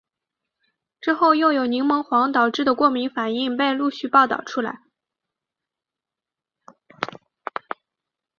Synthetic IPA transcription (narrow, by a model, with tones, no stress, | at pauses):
ʈ͡ʂɻ̩˥xo˥˩ʊjo˥˩ʊjo˨˩ʊni˧˥ŋmɤ˧˥ŋxwɑ˧˥ŋt̪ɑ˨˩ʊʈ͡ʂɻ̩˥˩d̪ə˩kwɔ˥˩mi˧˥ŋfa˨˩ni˥˧ŋpe˥˧ɪlu˥˧ɕy˥˧pɑ˥˧ʊt̪ɑ̰˥˩ʊʈ͡ʂʰu˥la̰˧˥ɪ